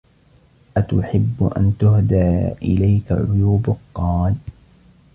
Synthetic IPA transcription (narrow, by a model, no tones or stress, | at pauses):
ʔat̪ʊħɪbːʊ̰ʔa̰nt̪ʊɦd̪aːʔɪ̰lajka̰ʕʊ̰juːbʊqːɑːl